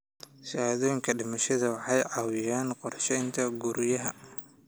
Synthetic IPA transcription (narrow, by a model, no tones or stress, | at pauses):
sɐaðɔːjɪŋkʰɐɖɪmɐʃɐðɐwɑħɑjʕɑwɪjaːnqɔrʃɛjnt̪ʰɐɡuɾɪjɐɦɐ